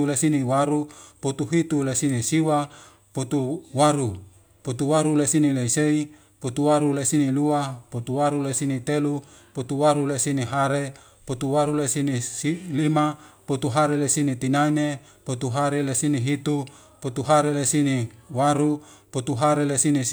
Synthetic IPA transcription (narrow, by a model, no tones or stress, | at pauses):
ulesiniwaɾupot̪uɦit̪ulesinisiwa | pot̪uwaɾu | pot̪uwaɾulesinileisei | pot̪uwaɾulesiniluapot̪uwaɾulesinit̪elu | pot̪uwaɾulesiniɦaɾe | pot̪uwaɾulesinisilimapot̪uɦaɾelesinit̪inaine | pot̪uɦaɾelesiniɦit̪u | pot̪uɦaɾelesiniwaɾupot̪uɦaɾelesini